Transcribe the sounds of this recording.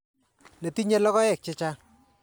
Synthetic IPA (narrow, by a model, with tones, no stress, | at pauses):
le˨ti˦ɲe˦lɔ˦kɔ˦jɛ˨k̚t͡ʃɪ˦t͡ʃa˦